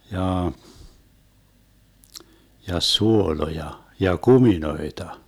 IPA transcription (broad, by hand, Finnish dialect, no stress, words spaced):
jɑː jɑ suolojɑ jɑ kuminoetɑ